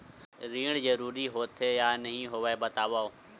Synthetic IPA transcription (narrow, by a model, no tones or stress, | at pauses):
ɾiːɳzəɾuːɾiːɦoːt̪ʰeːjaːnəɦĩːɦoːʋeːbət̪aːʋaː